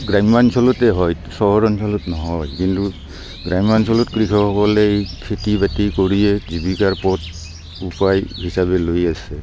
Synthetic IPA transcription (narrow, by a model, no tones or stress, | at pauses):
ɡɹajmbansɔlɔtɛɦɔj | sɔɦɔɹɔnsɔlɔtnɔɦɔjkintu | ɡɹajmbansɔlɔtkɹikʰɔhɔkɔlɛejkʰetibatikoɹijɛzibikaɹpɔt̚ | upajhisabɛlojasɛ